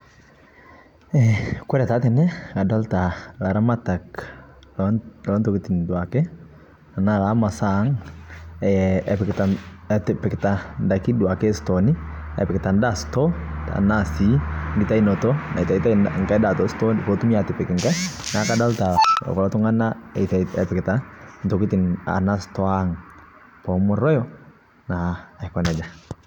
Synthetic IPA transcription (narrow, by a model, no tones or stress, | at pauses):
ɛkwɛɾɛtatɛnɛkadaltalaɾamataklɔntokɪtɪndwakɛ | anakamasaŋ | ɛɛpɪktatɪpɪktandakidwakɛstonɪɛ̰pɪktandastɔt̪a̰nasiŋɡit̪ainɔt̪ɔnait̪ait̪aŋkaidat̪ɔst̪ɔnipɔt̪umiat̪ɛpɛkɛŋkanakadalt̪a̰kɔlat̪ɔŋanait̪aɛpɛket̪ant̪ɔkit̪ina̰nast̪oaŋ | pɔmɔrɔjɔ | nakwanad͡ʒa